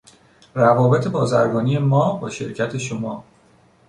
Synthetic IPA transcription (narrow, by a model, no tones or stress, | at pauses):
rævɒːbe̞t̪ʰe̞bɒːzæɾɡɒːniːje̞mɒːbɒːʃe̞ɾcʰæt̪ʰe̞ʃo̞mɒː